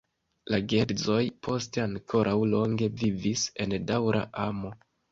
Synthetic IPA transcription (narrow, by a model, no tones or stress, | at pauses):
laɡe̞ɾzo̞jpʰo̞ste̞aŋkʰo̞ɾʔawlo̞ŋɡe̞vivise̞ndawɾʔa̰ʔamo̞